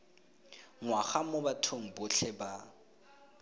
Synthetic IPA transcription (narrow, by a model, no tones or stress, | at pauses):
ŋwaχamʊbatʰoŋ̩bʊɬʰɛba